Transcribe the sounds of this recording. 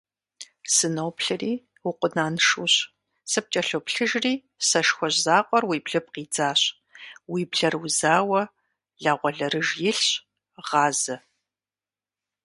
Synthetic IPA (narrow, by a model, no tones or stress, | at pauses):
sɨnowpʰɬɨriː | wʊqʷʊnaːnʂuːɕ | sɨp̚t͡ʃʼɐɬopɬɨʒriː | sɐʃxʷɔʑzaːqʷʼɔrwiːbɮɨp̚qiːd͡zaːɕ | wiːbɮɐrwuzaːwɐ | ɮaːʁʷɔɮɐrɨʒjɪɬɕ | ʁɑːzɐ